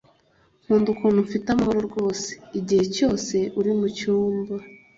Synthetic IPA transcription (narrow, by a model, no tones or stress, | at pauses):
ŋ̥uːndukuːnuɱfitamahoɾoɾɡo̞ːse̥iɟihe̞co̞ːse̞ʔuɾimucuːmba